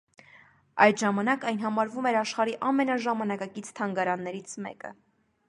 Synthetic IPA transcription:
ɑjd̪ʒɑmɑnɑkɑjnɦɑmɑɾvumɛɾɑʃχɑɾiʔɑmɛnɑʒɑmɑnɑkɑkit͡sʰt̪ʰɑŋɡɑɾɑnːɛɾit͡sʰmɛ̰kə̰

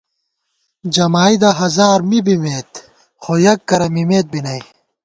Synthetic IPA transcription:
d͡ʑɐmaːid̪ɐɦɐzaːɾmibimeːt̪ | xojɐkːɐɾɐmimeːt̪̚binɐj

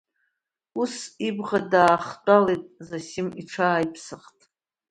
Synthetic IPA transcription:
usibʁadaːχt͡pʷʼalejtʼzasimiʈ͡ʂʰaːjpʰsɨχtʼ

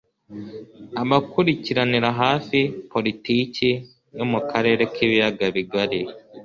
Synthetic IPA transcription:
aβakuɾiciɾaniɾaɦaːsipo̞litiːci | no̞mukʰaɾe̞ːɾe̞kʰiːβijaɡaβiɡaɾi

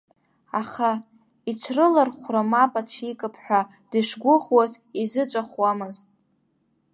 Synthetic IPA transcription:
aχa | it͡ʃʷʰrɨlarχʷramapʼat͡ɕʷʰikʼɨpʰħʷᶣa | d̥ɨʂɡʷʊχwazizɨt͡ʃʷʼaχʷwamɨztʼ

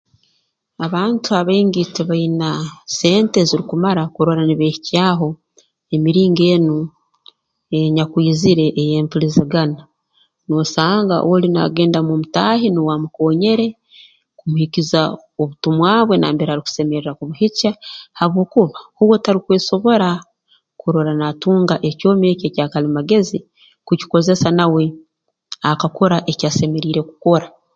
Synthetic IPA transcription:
aβaːntuaβeŋɡiteβajinase̞ːnte̞ziɾikumaɾakuɾoɾaniβeːhicjaːɦo̞ | emiɾiːŋɡe̞ːnu | eɲakwiːziɾe̞ʔːjeːmpulizeɡana | noːsaːŋɡa̰ʔo̰wolina̰ɡe̞ːndamumutaːhiniwamuko̞ːɲe̞ɾe̞ | kumuhiciza | oβutumwaːβwe̞na̰ːmbeɾaɾiku̥se̞meɾeɾakuβuhicahaβo̞ːkuβauβwotaɾikweːso̞βo̞ɾa | kuɾoɾanatuːŋɡaʔe̞co̞ːmeːceːcaːkalimaɡe̞zi | kuci̥ko̞ze̞sanawe̞ | akako̞ɾaʔecaːse̞me̞ɾiːɾe̞ku̥ko̞ɾa

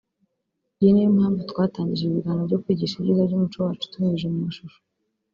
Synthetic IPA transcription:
jinejimhaːɱvutkwaːtaːɲɟiʒeiβiɡanovɟo̞kwiːɟiʃaβḭzabɟumut͡ʃowaːt͡ʃu̥tumeiʒumumaʃuʃo̥

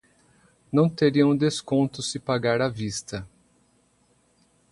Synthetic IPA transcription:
nɐ̃w̃t̪eɾiɐ̃w̃d̪eskõnt̪ʊsɪpaɡaɾavist̪ɐ

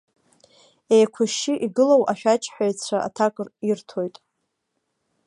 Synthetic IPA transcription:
ejkʷʰʊʃɪʔiɡɨlowʔaʃᶣat͡ʃʼħᶣaɥt͡sʷʰaa̰tʰakʷʼrirtʰo̞jtʼ

